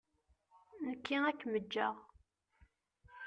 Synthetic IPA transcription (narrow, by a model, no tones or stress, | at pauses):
nəkːiækːməd͡ʒːə̰ʁ